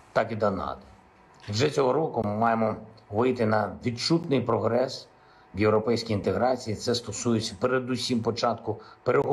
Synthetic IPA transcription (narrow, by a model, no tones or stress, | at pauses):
t̪ɑkid̪ɐnɑ̰t̪ɔ̥ | wʒɛt͡sʲɔɦɔɾɔkʊmɑjemɔʋɪjt̪ɪnɐʋʲidt͡ʃut̪nɪjpɾɔɦɾɛs | ʋjewɾɔpɛjsʲkʲijint̪eɦɾɑt͡sʲijit̪sɛst̪ɔsujet͡sʲːɐpeɾed̪ʊsʲimpɔt͡ʃɑt̪kʊpeɾeɦɔ